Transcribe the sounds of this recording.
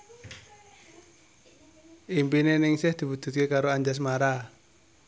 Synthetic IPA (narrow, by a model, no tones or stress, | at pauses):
ʔimpinenɪŋsɪhd̪̥i̤βud̪̥ṳt̪̚kekaɾoaɲd͡ʒas̬maɾa